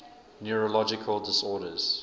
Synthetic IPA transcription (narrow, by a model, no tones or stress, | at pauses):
njuɹəlɔd͡ʒɪkʰəlˠdɪsɔːɾəz̥